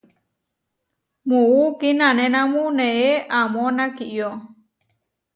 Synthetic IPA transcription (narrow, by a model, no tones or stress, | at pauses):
muukinãnẽnãmuneeʔamonakiʔjo